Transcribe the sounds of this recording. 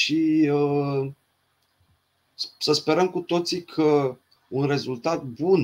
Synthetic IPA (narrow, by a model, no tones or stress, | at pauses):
ʃiə | səspe̞ɾəmkut̪o̞t̪sikʰə | unre̞zult̪at̪̚bun